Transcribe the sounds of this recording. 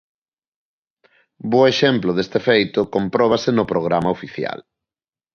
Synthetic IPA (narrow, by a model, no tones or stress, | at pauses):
boeʃemplʊðest̪efejt̪ʊkompɾɔβ̞asɪnʊpɾoɣ̞ɾamaofiθja̰l